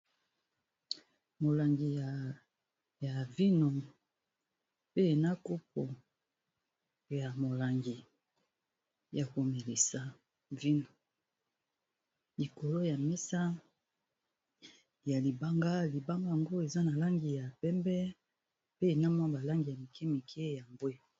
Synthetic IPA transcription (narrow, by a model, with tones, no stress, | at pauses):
mo˨la˨ŋɡi˨j | ja˨vi˦no˨ | pe˦e˨na˦ko˦p̚o˨ | ja˨mo˨la˨ŋɡi˨ | ja˨ko˨me˨le˨sa˨ | vi˦no˨ | li˨ko˨lo˦ja˨mɛ˦sa˦ | ja˨li˨ba˦ŋɡa˦li˨ba˦ŋɡa˦ja˨ŋɡo˦e˨za˦na˨la˦ŋɡi˨ja˨pɛ˦mbɛ˦ | pe˦e˨na˦mwa˦ba˨la˦ŋɡi˨ja˨mi˨kʰɛ˦mi˨kʰɛ˦ja˨mbwe˦